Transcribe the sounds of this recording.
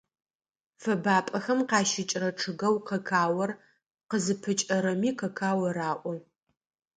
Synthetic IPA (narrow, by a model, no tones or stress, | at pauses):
fɐbaːpʼɐxɐmqɑːʃɪt͡ʃʼrɐʈ͡ʂʰɨɣɐwqɐkʰaːwɐr | qəzɨpʰɨt͡ʃʼɐɾɐmiːqɐkʰaːwɐɾaːʔʷɔ